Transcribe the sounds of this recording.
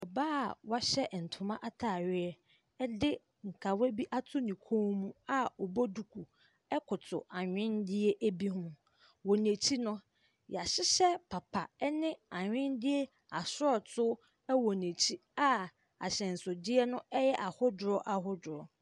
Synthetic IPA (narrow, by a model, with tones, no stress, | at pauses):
ɔ˨baː˦˨wa˦ɕɛ˦˨n̩˨tʰʊ˨mã˦ʔa˦tʰa˨ɥɪ˦ɛ˦ | ɛ˦dɪ˦ | ŋ̩˨kʰa˨we˦bi˦ʔa˦tʰʊ˦nĩ˨kʰõ˦mũ˦a˦ɔ˨bo˦du˨kʰu˨ | ɛ˦kʰʊ˨tʰʊ̰˨a˨ɲᶣɪ̃˦ndɪ˦e˦ʔæ˦bi˦ɦʊ̃˦ | wɔ˨nẽ˨t͡ɕʰi˦nʊ̃˦ | ja˨ɕɪ˦ɕɛ˦pʰa˨pʰa˨ɛ˦nɪ̃˦a˨ɲᶣɪ̃˦ndɪ˦e˦ | a˨sʊ˦ɔ˨tʰʊ˦ | ɛ˦wɔ˨nẽ˨t͡ɕʰi˦a˦ | a̰˨ɕɛ̃˨n̩˨sʊ˨dɪ˦ɛ˦nʊ̃˦ɛ˦jɛ˦ʔa˨hʊ˦dʊ˨ɾɔ˦ʔa˨ɦʊ˦dʊ˨ɾɔ˨